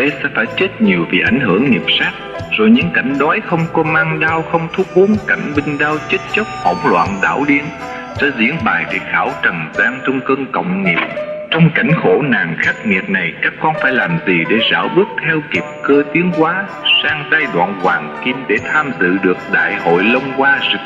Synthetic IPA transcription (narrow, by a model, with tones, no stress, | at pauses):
t̪e˨˦sɛ̰˧˥faː˧˩jt͡ɕe˦˥t̚ɲi˨˩əwvi˨˩ʔa˧˩jŋ̟ɦɨ˧˩əŋːi˨˩əp̚saː˦˥k̚z̥o˨˩jɲɨ̰˧˥ŋka˧˩jŋ̟ɗɔ˨˦jxə˧wŋ͡mkɔ˨˦maː˧ŋɗaː˧wxə˧wŋ͡mt̪ʰu˦˥p̚ɓo˨˦ənka˧˩jŋ̟ɓï˧ŋ̟ɗaː˧wt͡ɕe˦˥t̚t͡ɕə˦˥k͡p̚hə̰˧˩wŋ͡mlwa̰ː˧˨nɗa̰ː˧˩wɗi˧ən | sɛ̰˧˥zḭ˧˥ənɓaː˨˩jɗḛ˧˩xaː˧˩wt͡ɕə˨˩mzaː˧ŋt͡ɕɔ˧wŋ͡mkəː˧ŋkə̰˧˨wŋ͡mŋi˨˩əp̚t͡ɕɔ˧wŋ͡mka˧˩jŋ̟xo˧˩naː˨˩ŋxa˦˥k̚ŋḭ˨˩ət̚na˨˩jkaː˦˥kːɔ˧nfaː˧˩jlaː˨˩mzi˨˩ɗe˧˩zaː˧˩wɓɨ˦˥ək̚t̪ʰɛ˧wki˨˩p̚kəː˧t̪i˨˦əŋkwaː˨˦ | saː˧ŋzaː˧jɗwa̰ː˧˨nkwaː˨˩ŋki˧mɗe˧˩t̪ʰaː˧mzɨ̰˧˨ɗɨ˨˩ək̚ɗa̰ː˧˨jho̰˧˨jlə˧wŋ͡mkwaː˧zɨ˨˧˩